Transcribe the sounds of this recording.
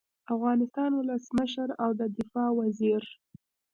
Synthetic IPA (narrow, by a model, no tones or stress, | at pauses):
afɣɑnɪst̪ɑnwʊləsməʃəɾawd̪əd̪ɪfɑwaziɾ